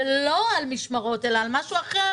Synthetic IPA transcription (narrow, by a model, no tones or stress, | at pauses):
lo̞almiʃmaʁo̞te̞laːlmaʃuaχe